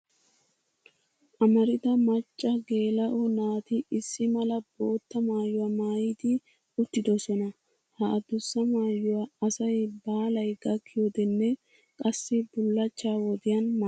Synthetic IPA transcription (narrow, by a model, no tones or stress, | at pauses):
ʔɐmɐɾɪt̪ɐmɐt͡ʃʼːɐɡe̞ːlɐʔɔnaːt̪ɪɪsːɪmɐlɐbo̞ːt̪ːɐmaːjːʊwɐmaːjɪd̪ɪ | ʊt̪ːɪd̪ɔsɔnɐ | hɐʔːd̪ʊsːɐmaːjːʊwɐɐsɐjbaːlɐjɡɐkʰːɪjɔd̪ɛnːɛ | kʼɐsːɪbʊlːɐt͡ʃːaːwɔd̪ɪjɐnm